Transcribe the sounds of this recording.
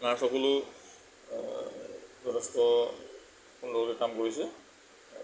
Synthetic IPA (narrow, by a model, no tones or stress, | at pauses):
ŋaɹsɔkolʊ | zɔtʰɛstɔ | kundɔlɔkɛkamkoɹisɛ